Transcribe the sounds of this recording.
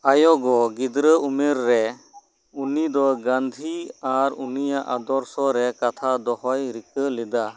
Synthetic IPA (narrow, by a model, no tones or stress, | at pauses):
ajɔɡɔɡid̪ɾəumɛɾːɛ | unid̪ɔɡãnd̪ʱiaɾṵnijaʔad̪ɔɾsɔɾɛkat̪ʰad̪ɔhɔjɾikəlɛd̪a